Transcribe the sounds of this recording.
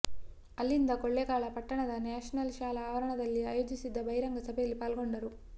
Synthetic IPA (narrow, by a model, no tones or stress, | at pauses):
ɐlːind̪ɐkoɭːeɡaːɭɐpɐʈːɐɳɐd̪ɐnaːʂɐnɐlʃaːlɐaːʋɐɾɐɳɐd̪ɐlːiaːjoːd͡ʒisid̪ːɐbɐjɾɐŋɡɐsɐbʱejɐlːipaːlɡo̞ɳɖɐɾu